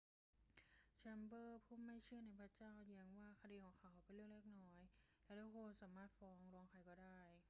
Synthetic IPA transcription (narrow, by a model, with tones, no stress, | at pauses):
t͡ɕʰɛ˧mbɤː˥˩pʰuː˥˩mːa˥˩jt͡ɕʰɯ˥˩ɐna˧˥˩jpʰa˧˥˩t͡ɕaː˥˩wja˧˦ŋwaː˥˩kʰa˧diː˧kʰɔː˨˩˦ŋkʰa˧˩wkʰa˧˩pe˧nɾɯ˥˩əŋleː˥˩k̚nɔː˦˥jlɛ˦˥wdaː˧˥˩kʰoː˧nsaː˩˦maː˥˩t̪̚fɔː˧˥ŋɾɔː˧˦˧ŋkʰa˧˩jkɔː˥˩daː˥˩j